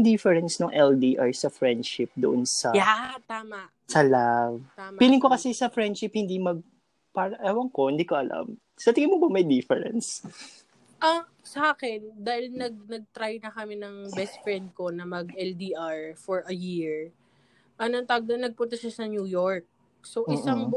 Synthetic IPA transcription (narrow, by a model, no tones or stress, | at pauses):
d̪ɪfɛɹɛnsnoŋʔɛld̪iʔaɹsɐfɹɛnd̪ʃɪp̚d̪ʊʔonsɐjat̪aːmɐʔsɐlavt̪ampiːlɪŋkokɐsɛsɐfɹɛnd̪ʃɪphɪnd̪imɐɡ̚ | paːɾɐʔaːwɐŋkohɪnd̪iːkoʔɐla̰m | sɐt̪ɪɡɪnmobɐmɐjd̪ɪfɛɹɛ̰ns | ʔɐ | sɐʔaːkɛnd̪aːhɪlnɐɡ̚nɐɡ̚t̪ɾajnɐkɐmɛnɐŋbɛst̪̚fɹɛnd̪̚ko̞nɐmɐɡʔɛld̪iʔaɹfoɹʔɐjiɹ | ʔɐnot̪aɡ̚d̪ɐnɐɡ̚pʊnt̪ɐʃasɐnjuːjoɹk̚ | soʔɪsaŋ